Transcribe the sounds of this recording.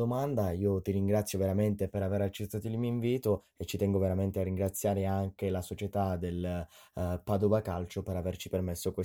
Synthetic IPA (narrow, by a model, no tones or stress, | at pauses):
omand̪aiːot̪iɾiŋɡɾat̪sːjoveɾament̪epeɾaveɾat͡ʃːet̪ːaːt̪oilmioiɱviːt̪o | et͡ʃːit̪ɛŋɡoveɾament̪earːiŋɡɾat̪sːjaːɾeaŋkelasot͡ʃet̪ad̪el | pad̪ovakalt͡ʃopeɾavert͡ʃipermesːokwe